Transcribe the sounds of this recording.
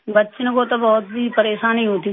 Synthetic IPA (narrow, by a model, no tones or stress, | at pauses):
bətːʃnebot̪abɔːt̪̚bipəɾeːʃãːnĩɦoːt̪i